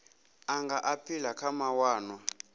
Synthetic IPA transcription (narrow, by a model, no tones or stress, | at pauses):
aŋɡaʔapʰilakʰamawaːnwa